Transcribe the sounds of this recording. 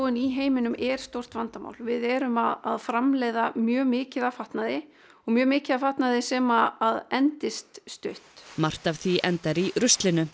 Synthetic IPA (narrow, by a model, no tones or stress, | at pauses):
ɪniɦeːjmɪnʏmɛɾ̥st̪owr̥t̪vant̪ama̰wlvɪðɛɾʏmaðaðfɾamleːjðamjœːmɪːcɪðafaht̪naðɪ | ɔɣmjœːmɪːcɪðafaht̪naðɪsɛːmaːðɛnt̪ɪst̪st̪ʏht̪mar̥t̪avθviʔɛnt̪aɾiɾʏst̪lɪnʏ